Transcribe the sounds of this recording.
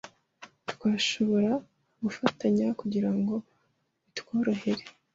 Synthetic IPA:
twaːʃo̞βo̞ɾa | ɡufataɲakuɟiɾaŋɡo̞ | itkoːɾohe̞ɾe

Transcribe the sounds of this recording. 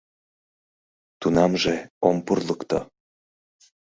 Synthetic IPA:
t̪unɑmʒeompurləkt̪o̰

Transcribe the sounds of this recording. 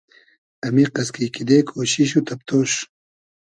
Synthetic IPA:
ɐmiqɐskikid̪eːkʰoːɕiɕ̬ut̪ʰɐp̚t̪ʰoːɕ

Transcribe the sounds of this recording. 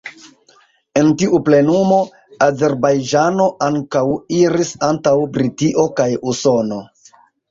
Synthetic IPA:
e̞ntiʔuple̞numo̞ | aze̞ɾbajd͡ʒano̞ʔaŋkawiɾisantawbɾitiʔo̞kajuso̞no̞

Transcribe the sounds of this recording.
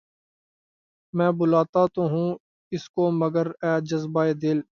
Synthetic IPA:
mɛ̃ːbʊlaːt̪at̪oɦũː | ɪskoməɡəɾɛːd͡ʒəzbaːeːd̪ɪl

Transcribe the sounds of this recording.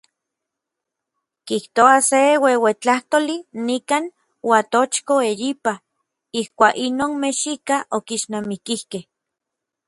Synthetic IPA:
kiht̪oasewewet͡ɬaht̪olinikan | wat̪ot͡ʃkoejipa | ihkʷaːkinoːnmeʃikaʔokiʃnamikihkeh

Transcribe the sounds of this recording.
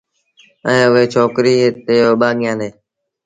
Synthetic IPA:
ɛ̃ːʊɦeːt͡ʃʰoːkɾiːt̪eːoːɓaːɠɪjãːneː

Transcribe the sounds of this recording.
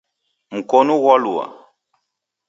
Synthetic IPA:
m̩kɔnuɣɔlua̰

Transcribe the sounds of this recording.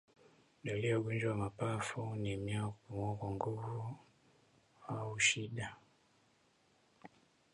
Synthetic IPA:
ɗɔliɔɡund͡ʒɔwamapafunimjakumɔkɔŋɡuvu | auʃiɗa

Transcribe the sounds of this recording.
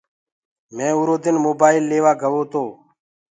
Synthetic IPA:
mẽːʊːɾoːd̪ɪnmoːbaːɪlːeːʋaːɡʱəʋoːt̪oː

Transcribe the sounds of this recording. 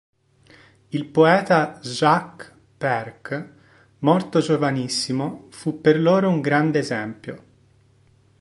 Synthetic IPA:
ilpoɛːt̪aʒak | pɛrk | mɔrt̪od͡ʒovanisːimofupːerloːɾouŋɡɾand̪eːzɛmpjo̰

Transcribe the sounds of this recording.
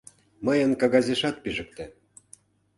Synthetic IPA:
məjə̆nkɑɣɑzʲeʃɑt̪̚piʒə̆k̚t̪ĕ

